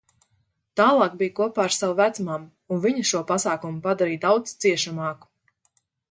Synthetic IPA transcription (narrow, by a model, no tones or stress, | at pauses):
t̪aːlˠɑːk̚bijkuɔpaːaɾsawvæt̪smam | unviɲuʃuɔpasaːkumupad̪aɾiːjd̪awd̪st̪siɛʃamɑːku̥